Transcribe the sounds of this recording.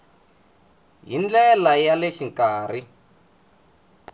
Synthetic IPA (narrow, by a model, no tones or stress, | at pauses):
ɦind͡ɮɛlajaleʃiŋkaːr̤i